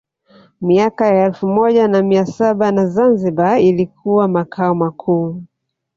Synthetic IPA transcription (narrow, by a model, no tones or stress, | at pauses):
miakajaɛlfumɔʄanamiasaɓanazanziɓailikʰuwamakʰaɔmakʰuː